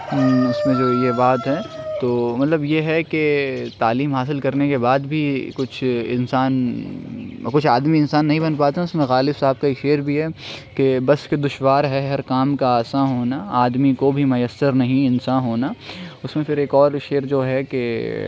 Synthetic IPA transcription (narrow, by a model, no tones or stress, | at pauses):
ʊsmẽd͡ʒoːjebaːt̪ɦɛ̃t̪oːmɐt̪ləbjeɦɛket̪aːliːmɦaːs̬ɪlkɐɾnekebaːd̪bʱikʊt͡ʃʰɪ̰nsaːn | kʊt͡ʃʰaːd̪miɪnsaːnːɐɦĩbɐnpaːt̪ãʊsmẽxaːlɪbsaːb̚kaeːkʃeːɾbʱiɦɛkebɐsked̪ʊʃwaːɾɦɛɦɐɾkaːmkaaːsaɦoːnaaːd̪mikobʱimɐjəsːəɾnɐɦĩɪnsaːɦoːnaʊsmẽpɪɾeːkɔːɾʃeːɾd͡ʒoːɦɛke